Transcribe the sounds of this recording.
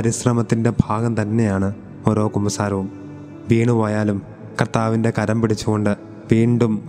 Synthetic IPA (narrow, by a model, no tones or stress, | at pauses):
ɐɾiɕrɐmɐt̪ːinde̞bʱaːɡɐmt̪ɐnːe̞jaːɳɨ | o̞ːɾo̞ːkumɐsaːɾɐʋum | ʋiːɳuʋoːjaːlum | kɐrt̪aːʋinde̞kɐɾɐmpiɽit͡ɕːuɣo̞ɳɖɨ | ʋiːɳɖum